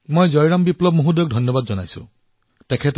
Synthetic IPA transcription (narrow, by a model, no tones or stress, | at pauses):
mojd͡ʒɔjɾambiplɔbmoɦud̪ɔk̚dʱɔnjɔbad̪̚zɔna̰jsṵ̃ | t̪ekʰet̪